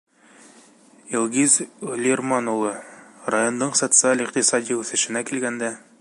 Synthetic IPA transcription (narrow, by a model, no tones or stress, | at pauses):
ilˠʁizlʲirmanulˠɤrajo̞nd̪ɤɴsot̪sɨalʲiq̚t̪isɑd̪ʲiʉθɘ̆ʃɘ̆nækilɡænd̪æ